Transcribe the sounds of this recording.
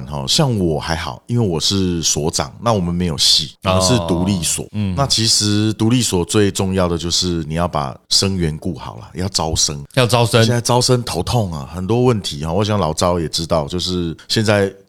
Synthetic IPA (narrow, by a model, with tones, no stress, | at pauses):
nɦɔ̰˨ɕjɑ˥˩ŋwɔ˨˩xa˧˥ɪxɑ̰˨˩ʊi˦˥nwe˥˩ɪwɔ˨˩ʂɻ̩˥˩swɔ˧˥ʈ͡ʂɑ̰˨˩˦ŋna˥˨wɔ˨˩mə˨˦nme˧˥ɪjo˨˩ʊɕi˥˩˧ʂɻ̩˥˨t̪u˧˥li˥˨swɔ̰˨˩na˥˨t͡ɕʰi˧˥ʂɻ̩˧˥t̪u˧˥li˥˩swɔ˨˩t͡swe˥˧ɪʈ͡ʂʊ˥˧ŋjɑ˥˩ʊd̪ə˩t͡ɕjo˥˧ʊʂɻ̩˥˩ni˨˩jɑ˥˩ʊpa̰˨˩ʂə˥ŋɥɛ˧˦˥nku˥˩xɑ˨˩ʊlɐ̰˨˦jɑ˥˩ʊt͡sɑ˥ʊʂə˥ŋjɑ˥˩t͡sɑ˥˦ʊsə˥˧a˥˧ɑ˥ʊʂə˥nt̪ʰo˧˥ʊt̪ʰo˥˩ŋɐ˨˩xə˨˩nt̪wɔ˥wə˥˨nt̪ʰi˧˦xɔ˥˧wɔ˨˦ɕjɑ˥˩ŋlɑ˨˥ʊʈ͡ʂɑ˥ʊjɛ˨˩ʈ͡ʂɻ̩˦t̪ɑ˥˧ʊt͡ɕjo˥˧ʊʂɻ̩˥˩ɕjɛ˥˧nt͡sa˥˧ɪ